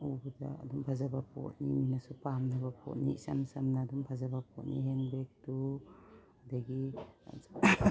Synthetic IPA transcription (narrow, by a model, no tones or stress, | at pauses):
ubdaa̰dumpʰazabapʰɔ̰t̚niminasupamnabapʰɔ̰t̚nḭḭsa̰msamnaːdumpʰazabapʰɔt̚niɦenbek̚tu | daɡi